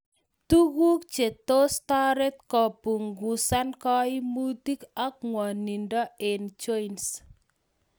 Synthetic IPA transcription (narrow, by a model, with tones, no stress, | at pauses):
t̪u˦ɣu˦k̚t͡ʃe˨t̪ostɔɾɛt̪̚kɔpu˨ŋɡu˨sankɔi˦mut̪i˦kɔ˦k̚ŋwɔ˨ni˨ndɔ˦e˨nt͡ʃɔjns